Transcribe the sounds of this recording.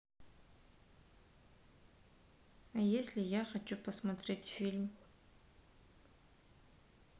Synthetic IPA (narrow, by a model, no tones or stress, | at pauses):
ajesʲlʲijaχat͡ʃʰʼupʰasmatʰre̞tʰʲfilʲm